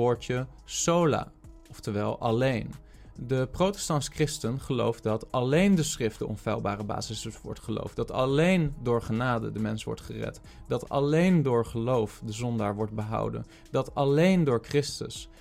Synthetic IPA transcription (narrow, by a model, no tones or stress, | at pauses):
ʊːɹtə | sowla̰ː | ɔftəʋɛlˠʔɑlejn | dəprowtɛ̥stɑnskrɪstənχəlo̰wfdɑtɑlejndəsχrɪftəɔ̰nfɛ̰lˠbaːrəba̰ːzɪsʋɔ̰ɹtχəlo̰wfdɑtɑ̰lejndʊːɹχənaːdə̰dəmɛnsʋɔ̰ɹtχərɛ̰t | dɑtɑ̰lejndʊːɹχəlowfdəzɔndaːɹʋɔɹtd̚bəɦɑ̰wdə̰n | dɑtɑlejndʊːɹkrɪstə̰s